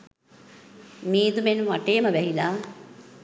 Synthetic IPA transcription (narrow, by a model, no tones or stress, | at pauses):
miːd̪umenʋaʈejːməʋɛɦilaː